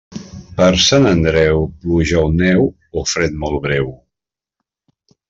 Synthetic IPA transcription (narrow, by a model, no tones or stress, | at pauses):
pəɾsanənd̪ɾɛwpluʒawnɛw | ofɾɛt̪̚mɔlˠβɾɛw